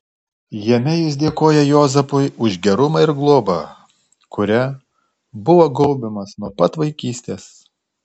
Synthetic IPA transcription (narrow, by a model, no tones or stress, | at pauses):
jɛmʲɛjʊs̬d̪ʲeɛkoːjɛjoːzɐpʊɪʊʒʲɡʲɛɾʊmɑɪɾɡlˠoːbɑ | kʊɾʲɛ | bʊʋoːɡɔlʲˠbʲɪmɐsnuɔpɐt̪ʋɐɪkʲiːsʲt̪ʲeːs